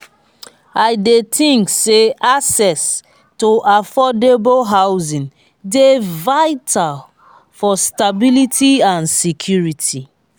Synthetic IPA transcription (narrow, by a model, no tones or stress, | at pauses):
aɪdetĩŋkseasɛs | toʔafɔdebolɦawzĩn | devaɪtʰal | fɔstabilitʰiãnsikʰjuɹitʰi